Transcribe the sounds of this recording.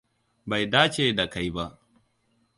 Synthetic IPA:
ba˨jdaː˦t͡ʃeː˨da˨ka˦˨jba˦ʔ

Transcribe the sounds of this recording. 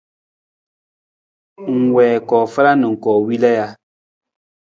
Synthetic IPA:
ŋ̩˨wɛː˨kɔ˨fə˦ɾa˦nɨ˨ŋ̩˨kɔ˨wi˦lɛ˦ja˦

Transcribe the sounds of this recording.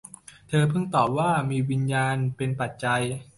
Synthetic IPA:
t̪ʰɤː˧pʰɯ˥˩ŋt̪ɔː˨˩p̚waː˥˩miː˧wi˧njaː˧npe˧npa˨˩t̪̚t͡ɕa˧j

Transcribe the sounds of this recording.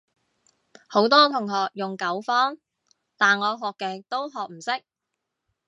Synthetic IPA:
ho˨˥wt̪ɔː˥t̪ʰʊ˨˩ŋɦɔː˨k̚jʊ˨ŋkɐ˨˥wfɔː˥ŋ | t̪aː˨nŋɔː˨˧ɦɔː˨kːɛː˧t̪o˥wɦɔː˨k̚m̩˨˩sɪ˥k̚

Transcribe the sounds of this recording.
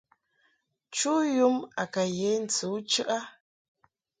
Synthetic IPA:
t͡ʃu˦ju˦ma̰˨ka˨je˨˦n̩˨t͡su˨˦t͡ʃʉ˦ʔa˦

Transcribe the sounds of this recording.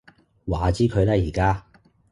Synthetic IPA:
waː˨˩t͡siː˥kʰɵ˨˧ɥlɛː˥jiː˨˩kaː˥

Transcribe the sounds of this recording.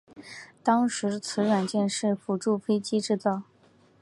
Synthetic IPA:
t̪ɑ˥ŋʂɻ̩˧˥t͡sʰɹ̩˧˥ɻwa˨˩nt͡ɕjɛ˥˧nʂɻ̩˥˩fu˨˩ʈ͡ʂu˥˩fe˥ɪt͡ɕi˥ʈ͡ʂɻ̩˥˧t͡sɑ˥˩ʊ

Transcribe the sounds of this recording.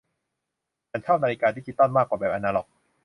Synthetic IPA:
a˧˩nt͡ɕʰaː˥˩w̚na˧li˧kaː˧d̪iː˦˥˩i˧t̪ɔ˥˩nmaː˥˩kwaː˨˩bɛː˨˩p̚ʔa˧naː˧lɔ˨˩k̚

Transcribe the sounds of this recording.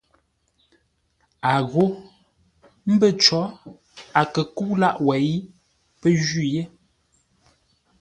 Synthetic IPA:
a˨ɣo˦ | m̩˦bə˦˨t͡ʃɔ˨˦ | a˨kə˨ku˦la˦ʔwɛ˨i˦ | pə˦ʒi˦˨je˦

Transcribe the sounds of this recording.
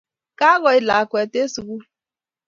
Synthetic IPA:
ka˦ɣɔ˨i˦la˨a˨kʷe˨te˦su˨ɡu˦

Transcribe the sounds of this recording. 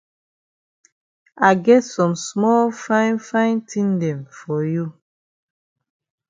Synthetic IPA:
a˨ɪɡɛ˦tsɔ̃˨msmɔ˦lfã˦nfã˦ɪ̃ntʰĩ˦ndɛ̃˨mfɔ˨ju˦˨

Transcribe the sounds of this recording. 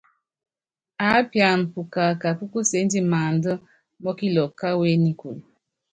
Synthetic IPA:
a˨˦pja˨n̩˨pu˨ka˨ka˨pu˦ku˦se˨˦n˦di˦maː˨n˦də˦ | mɔ˦ki˦lɔ˨kːa˦we˦ni˦ku˨l

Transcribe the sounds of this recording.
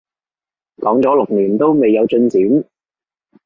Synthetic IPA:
lɔː˨˥ŋt͡sɔː˨˥lʊ˨k̚niː˨˩nt̪o˥wme˨jːɐ˨˧wt͡ʃɵ˧nt͡siː˨˥n

